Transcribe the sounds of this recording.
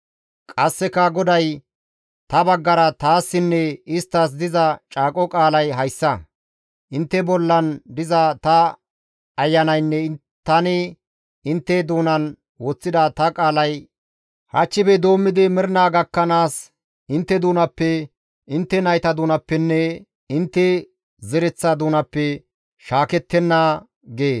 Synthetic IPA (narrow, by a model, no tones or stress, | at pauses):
kʼɐsːɛkːɐɡɔd̪ɐj | t̪ɐbɐɡːɐɾɐt̪aːsːɪnːɛɪst̪ːɐs̬d̪ɪzɐt͡ʃʼaːkʼɔkʼaːlɐjɦɐjsːɐ | ʔɪnt̪ːɛbɔlːɐnd̪ɪzɐt̪ɐ | ɐjːɐnɐjnːɛ | t̪ːɐnɪ | ɪnt̪ːɛd̪uːnɐn | wot͡sːɪd̪ɐt̪ɐkʼaːlɐj | hɐt͡ʃːɪbɛd̪o̞ːmːɪd̪ɪmɪɾnaːɡɐkːɐnaːs | ɪnt̪ːɛd̪uːnɐpːɛ | ɪnt̪ːɛnɐjt̪ɐd̪uːnɐpːɛnːɛ | ɪnt̪ːɛ | zɛɾɛt͡sːɐd̪uːnɐpːɛ | ʃaːkɛt̪ːɛnːɐ | ɡeː